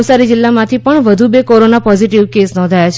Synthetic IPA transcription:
ʋsaɾid͡ʒɪlːamãt̪ʰipəɳʋəd̪ʱubekoɾonapɔziʈiʋkesnɔ̃nd̪ʱajat͡ʃʰ

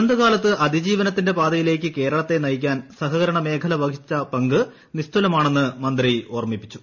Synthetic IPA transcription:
nd̪ɨɣaːlɐt̪ːɨʔɐd̪ʱid͡ʑiːʋɐnɐt̪ːinde̞paːd̪ɐjile̞ːk̬ʲːɨke̞ːɾɐɭɐt̪ːe̞nɐjk̬ʲːaːnsɐɦɐɣɐɾɐɳɐme̞ːkʰɐlɐʋɐɡʰit͡ɕːɐpɐŋɡɨ | nist̪ulɐmaːɳe̞nːɨmɐnd̪rioːrɐmipːi̥t͡ɕːu̥

